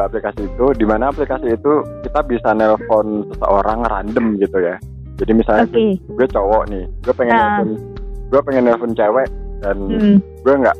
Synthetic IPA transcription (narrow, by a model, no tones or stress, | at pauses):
aplikasiːt̪udimanaːplikasiːt̪ukit̪abisanɛlfɔnsəsə̰ʔoɾaŋɾa̰ndəmɡit̪uja | d͡ʒadimisalɲatɡuat͡ʃɔwɔʔnɪhɡ̥uapɛŋɛnːɛlfɔnɡuapɛŋɛnːɛlfɔnt͡ʃɛwɛʔdanɡuaŋɡa̰ʔ